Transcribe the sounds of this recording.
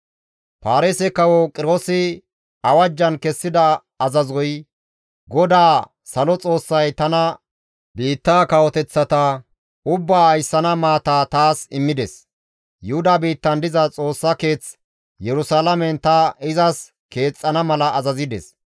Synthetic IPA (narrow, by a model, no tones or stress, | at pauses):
paːɾesɛkɐwɔkʼɪɾoːsɪ | ɐwɐd͡ʒːɐnkɛsːɪd̪ɐ | ɐzɐzɔj | ɡɔd̪aː | sɐlɔt͡sʼo̞ːsːɐjt̪ɐnɐ | biːt̪ːaːkɐwɔt̪ɛt͡sːɐt̪ɐ | ʊbːaːɐjsːɐnɐmaːt̪aːt̪aːsɪmːɪd̪ɛs | jʊhʊd̪abiːt̪ːɐnd̪ɪzɐt͡sʼo̞ːsːɐke̞ːt͡s | jɛɾʊsaːlɐmɛnt̪ɐɪzɐs | ke̞ːt͡sʼːɐnɐmɐlɐʔːzɐzɪd̪ɛ̰s